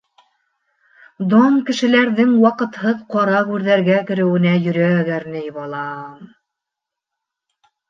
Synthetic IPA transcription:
d̪omkɘ̆ʃɘ̆læɾðɘŋwɑqɤ̆t̪hɤðqɑɾɑʁʉɾðæɾɡækɘ̆ɾɘ̆wɘ̆næjɵ̆ɾæɡæɾnɘjβɑlˠɑm

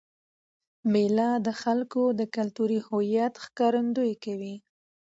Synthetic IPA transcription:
melɑd̪əxalkod̪əkalt̪uɾihojjat̪xkɑɾand̪ojkawi

